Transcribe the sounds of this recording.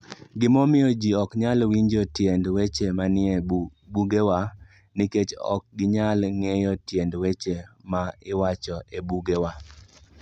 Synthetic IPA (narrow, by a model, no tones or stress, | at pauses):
ɡɪmɔmɪjɔd͡ʒiɔkɲalwiɲd͡ʒɔtjendwet͡ʃemanɪebuɡewa | nɪket͡ʃɔ̰k̚ɡɪɲalŋejɔtjendwet͡ʃemaɪwat͡ʃɔebuɡewa